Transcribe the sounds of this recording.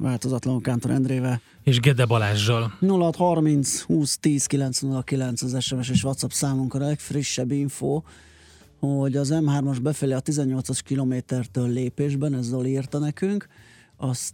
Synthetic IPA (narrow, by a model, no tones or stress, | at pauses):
vaːlt̪ozɒt̪lɒŋkaːnt̪oɾʔɛ̰nd̪reːvɛ | eːʒɡɛd̪ɛbɒlaːʒːolnulːɒɒt̪hɒrmint̪shuːst̪iːskilɛnt̪snulːɒkilɛnt̪sɒzɛʃɛmɛʃ̬eːʃʋɒt̪sɒpsaːmuŋkɔnlɛkfriʃːɛbːiɱfoː | hoɟɒzɛmɦaːrmɒʒbɛfɛleɒt̪izɛɲːo̞lt̪sɒʃkiloːmeːt̪ɛrt̪øːlːeːpeːʒbɛnɛzːoliːrt̪ɒnɛkyŋk | ɒst̪